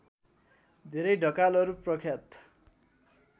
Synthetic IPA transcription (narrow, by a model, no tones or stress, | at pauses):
d̪ʱeɾʌjɖʱʌkalʌɾuprʌkʰjat̪